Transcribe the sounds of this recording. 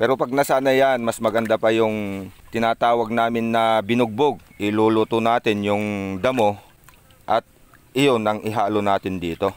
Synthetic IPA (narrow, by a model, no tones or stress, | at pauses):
pɛːɾo̞pɐɡ̚nɐsaːnɐjanmɐsmɐɡɐnd̪apɐjʊŋt̪ɪnaːt̪aːwɐɡ̚naːmɪnːɐbɪnʊɡ̚boɡ̚ʔɪluːluːt̪ʊnaːt̪ɪnjʊŋd̪ɐmo̞ | ʔɐt̪̚ | ʔɪjonɐŋʔɪɦaːlonaːt̪ɪnd̪iːt̪o̞